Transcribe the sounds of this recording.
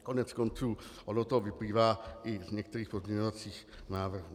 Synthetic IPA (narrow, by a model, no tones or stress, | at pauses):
konɛt͡skont͡suːʔodot̪ovɪpliːvaːʔɪzɲɛk̚t̪ɛɾiːxpozmɲɛɲovat͡siːx | naːvr̩hu